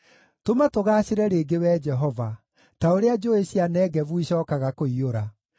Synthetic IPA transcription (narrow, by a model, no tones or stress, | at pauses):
tomatoɣaːɕeɾɛɾeːɡewɛːd͡ʒɛɦɔva | taoɾead͡ʒoeɕianɛːɣɛvuiɕɔːkaɣakoioɾa